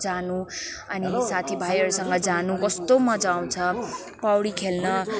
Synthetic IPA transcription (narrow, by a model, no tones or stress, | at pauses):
d͡zanũ | ʌnisat̪ʰibʱajʌɾusʌŋɡʌd͡zanũɡʌst̪omʌd͡zaw̃t͡sʰʌ | pawɽikʰelnʌ